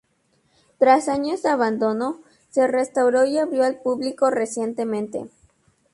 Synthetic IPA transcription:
t̪ɾasaɲozaβand̪o̞no̞ | se̞re̞st̪awɾo̞iaβɾjo̞alpuβliko̞re̞sjent̪e̞mẽnt̪ḛ

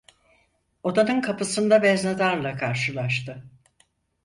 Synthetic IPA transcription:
o̞d̪anɯnkʰapɯsɯnd̪abɛznad̪aɾlˠakʰaɾʃɯlˠaʃt̪ʰɯ

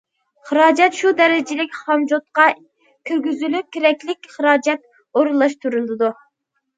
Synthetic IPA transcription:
χəɾɑːd͡ʒɛt̪ʃud̪ɛɾɪd͡ʒɪlɪkʲχɑmd͡ʒot̪̚qɑ | kʲʰyɾɡʲyzylyp̚kʲʰeɾɛkʲlɪkʲχəɾɑːd͡ʒɛt̪̚ | oɾulˠːɑʃt̪ʰuɾulˠɨd̪u

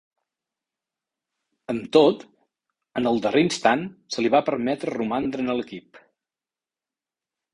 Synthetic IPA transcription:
əmt̪ot̪ | ənəlˠd̪ərʔeinst̪ansəliβ̞apəɾmɛt̪ɾərumand̪ɾənələkip

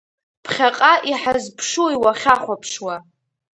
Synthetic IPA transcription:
pʰχʲaqʼaʔiħazpʰʂuiwaχʲaχʷapʰʂwa

